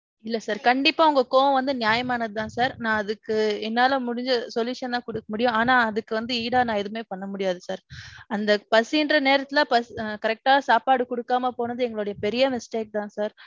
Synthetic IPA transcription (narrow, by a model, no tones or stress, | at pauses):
ɪlːɐsaːɾkɐɳɖɪpːaːʊŋɡɐkoːʋɐ̃ʋɐnd̪ɯnɪjaːjɐmaːnɐðɯt̪ãːsaːɾnãːɐðɯkːɯɛnːaːlɐmʊɽɪɲd͡ʒɯsɔljuːʂɐnt̪ãːkɔɽɯkːɐmʊɽɪjʊ̃aːnaːɐðɯkːɯʋɐnd̪ɯiːɽaːnãːɛðɯmeːpɐɳːɐmʊɽɪjaːðɯsaːɾɐnd̪ɐpɐsɪɪndɾɐneːɾɐt̪ːɪlaːpɐskɐɾɛk̚ʈaːsaːpaːɽɯkɔɽɯkːaːmɐpoːnɐðɯɛŋɡɐɭoːɽɐjɐpɛɾɪjɐmɪsʈeːk̚t̪ãːsaːɾ